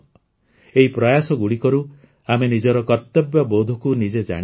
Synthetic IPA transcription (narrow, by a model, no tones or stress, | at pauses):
eɦipɾɔjasɔɡuɽikɔɾu | amenid͡ʒɔɾɔkɔɾt̪ɔbjɔbowd̪ʱɔkunid͡ʒed͡ʒa̰ɽ̃